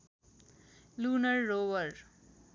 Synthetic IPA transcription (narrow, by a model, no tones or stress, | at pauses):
lunʌrːowʌɾ